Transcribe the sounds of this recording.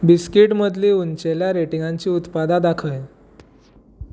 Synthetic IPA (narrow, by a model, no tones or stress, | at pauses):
biskiʈməd̪ʱliunt͡ɕeljaɾeʈiŋɡaɲt͡ɕiːut̪pad̪ad̪akʰəj